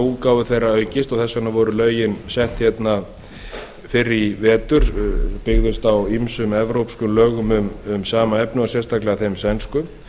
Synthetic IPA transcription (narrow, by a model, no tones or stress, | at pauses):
ukawvʏθejrːaœːɥcɪst̪ɔɣθɛsːanavɔːɾʏlœːɥjɪnsɛht̪çjɛt̪na | fɪɾːɪvɛːt̪ʏɾ̥pɪɣðʏst̪awimsʏmɛvɾowpskʏmlœːɣʏmʏmʏmsaːmaɛpnʏasɛrst̪ʰaklɪɣaθejmsɛnskʏ